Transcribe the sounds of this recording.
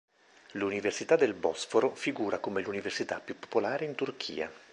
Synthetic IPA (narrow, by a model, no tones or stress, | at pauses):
luniversit̪ad̪ːelbɔsfoɾofiɡuːɾakomeluniversit̪apːjupːo̥polaːɾeint̪urk̟ʰḭːa̰